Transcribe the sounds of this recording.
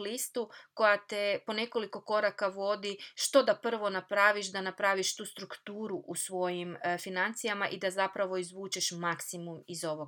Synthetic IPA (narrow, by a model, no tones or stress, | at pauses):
list̪uko̞jat̪epo̞ne̞ko̞liko̞ko̞ɾakaʋo̞d̪iʃt̪o̞d̪apr̩ʋo̞napɾaʋiʃd̪anapɾaʋiʃt̪uːst̪ɾukt̪uːɾuʔusʋo̞jimfinant̪sijamaʔid̪azapɾaʋo̞izʋuːt͡ʃe̞ʃmaksimumizo̞ʋo